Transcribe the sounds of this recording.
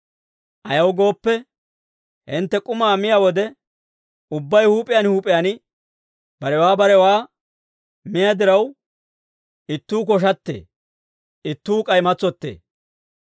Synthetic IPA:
ʔɐjɐwɡo̞ːpːɛ | hɪnt̪ːɛkʼʊmaːmɪjawɔd̪ɛ | ʊbːɐjhuːpʼɪjanhuːpʼɪjanɪ | b̥ɐɾɛwaːbɐɾɛwaː | mɪjad̪ɪɾɐw | ɪt̪ːuːkɔʃ̬ɐt̪ːḛː | ɪt̪ːuːkʼɐjmɐt͡sːɔt̪ːḛː

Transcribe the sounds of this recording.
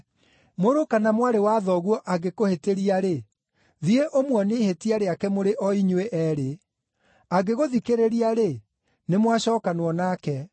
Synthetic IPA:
moɾokanamwaɾewaðɔɣwɔʔaɡekoheteɾiaɾe | ðieʔomwɔneihetiaɾeakɛmoɾeʔɔiɲweʔɛɾe | aɡeɣoðikeɾeɾiaɾe | nemwaɕɔːkanwɔnakɛ

